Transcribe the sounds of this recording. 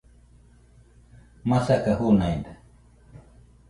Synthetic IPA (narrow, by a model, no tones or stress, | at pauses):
masakahunajnd̪a